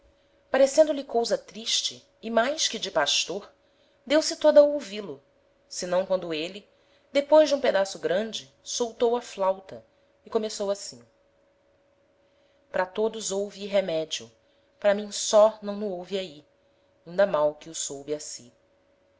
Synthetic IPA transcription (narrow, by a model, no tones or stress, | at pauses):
paɾesẽnd̪ʊlɪkowzɐt̪ɾiʃt͡ʃɪ̰ː | majskɪd͡ʒɪpaʃt̪oɾ | d̪ewsɪt̪od̪ɐowvilʊ | sɪnɐ̃w̃kwɐ̃nd̪ʊelɪ | d̪epojʒd͡ʒɪũped̪asʊɡɾɐ̃d͡ʒɪ | sowt̪owɐflawt̪ɐ | ikomesowasĩ | pɾɐt̪od̪ʊzowviɦemɛd͡ʒiʊ | pɾɐmĩj̃sɔnɐ̃w̃nʊowviai | ĩnd̪ɐmawkɪʊsowbɪasi